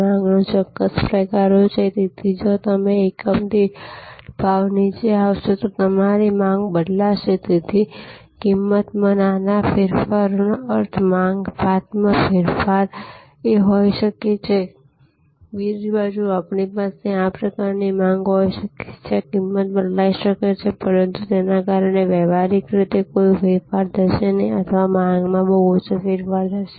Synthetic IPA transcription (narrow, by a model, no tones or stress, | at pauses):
ãŋɡnõt͡ʃɔkːəspɾəkaːɾot͡ʃʰet̪it̪ʰid͡ʒot̪əmẽekəmd̪e | paːʋnit͡ʃeawt͡ʃʰet̪ot̪əmaɾimãːŋɡbəɽlaʃet̪it̪ʰi | kɪmːət̪mənanapʰɪɾfaɾnəɾt̪ʰmãːŋɡpaːt̪mə̃pʰɪɾfʰaːɾ | eɦoiʃəket͡ʃʰe | biɾd͡ʒbad͡ʒuapnipaseãpɾəkaɾnimãŋɡɦoiʃəke̥t͡ʃʰekɪmːət̪̚bəʈlaiʃəket͡ʃʰepəɾənt̪ut̪enakaɾəɳeʋɛʋaɾɪkɾɪt̪ekoifɪɾfaɾd̪ʱəʃeniə̰t̪ʰəʋamãŋɡmãbəɦut͡ʃfɪɾfaɾd̪ʱəʃe